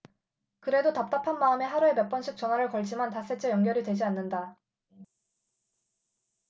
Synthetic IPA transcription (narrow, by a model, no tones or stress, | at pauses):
kɯɾe̞dotap̚t͈apʰanmaɯme̞ɦaɾue̞mʌp͈ʌnɕʰik̚t͡ɕ͈ʌnɦwaɾɯɭkʌɭd͡ʑimantas͈et͡ɕʰejʌŋɡjʌɾidwe̞d͡ʑianːɯnda